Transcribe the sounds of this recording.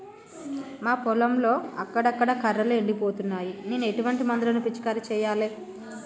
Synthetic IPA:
maːpɔlɐmlo̞ːɐkːɐɽɐkːɐɽɐkɐɾːɐlueɳɖipoːt̪unːaːjineːnue̞ʈuʋɐɳʈimɐnd̪ulɐnupit͡ʃːi̥kaːɾit͡ʃɛːjaːleː

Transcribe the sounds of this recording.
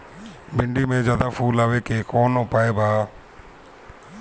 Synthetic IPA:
bɪɳɖiːmẽːzjaːd̪aːpʰuːlaːʋeːkeːkɔːnõpaːeːbaː

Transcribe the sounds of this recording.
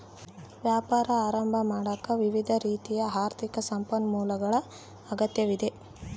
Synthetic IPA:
ʋjaːpaːɾɐaːɾɐmbʱɐmaːɽɐkːɐʋiʋid̪ʱɐɾiːt̪ijɐɦaːɾt̪ʰikɐsɐmpɐnmuːlɐɡɐɭɐː | ɡɐt̪jɐʋid̪e̞

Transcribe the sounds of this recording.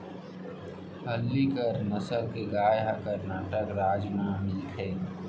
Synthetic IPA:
ɦəlːikəɾnəsəlkeɡaːjɦakəɾnaːʈəkɾaːd͡ʒnamɪlt̪ʰɛː

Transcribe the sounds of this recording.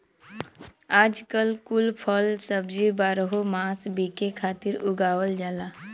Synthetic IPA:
aːd͡ʒkəlkʊlpʰəlsəbd͡ʒibaːɾəɦomaːsbiːkekʰaːt̪iɾʊɡaːʋwəld͡ʒaːla

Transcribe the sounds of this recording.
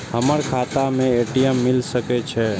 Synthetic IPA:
həməɾkʰat̪amẽeʈijɛmːilsəkɛt͡ʃʰɛ

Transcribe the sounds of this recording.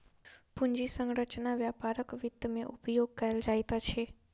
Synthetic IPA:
puɲd͡ʒisə̃ŋɡɾət͡ʃnaʋjapaɾəkʋɪt̪ːəmẽʔupjoɡ̚kəeld͡ʒajt̪at͡ʃʰe

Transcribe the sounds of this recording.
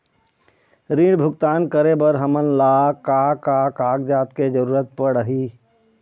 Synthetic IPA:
ɾĩɽbʱʊɡt̪aːnkəɾebəɾɦəmənlaːkaːkakaːɡ̚d͡ʒaːt̪ked͡ʒəɾuːɾət̪̚pəɽəɦiː

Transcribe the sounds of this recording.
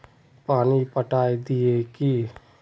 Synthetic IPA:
paːnipəʈaːid̪ɪeki

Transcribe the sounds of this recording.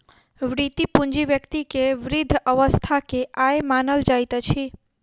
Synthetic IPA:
ʋɾit̪ipũɲd͡ʒiʋjəkt̪ikeʋɾɪd̪ʱəʋəst̪ʰakeʔajemanəld͡ʒajt̪ət͡ʃʰi

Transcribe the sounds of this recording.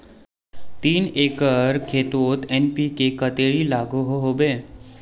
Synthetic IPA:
t̪iːneːkəɾkʰeːt̪oːt̪ɛnpikekət̪eːɾilaːɡoɦoɦoːbeː

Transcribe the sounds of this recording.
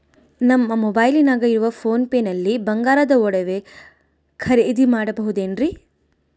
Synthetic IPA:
nɐmːɐmɔbaːjlinaːɡɐiɾuʋɐpʰo̞ːnpeːnɐlːibɐŋɡaːɾɐd̪ɐɔɽɐʋe̞ | kʰɐɾed̪imaːɽɐbɐɦud̪eːnɾi

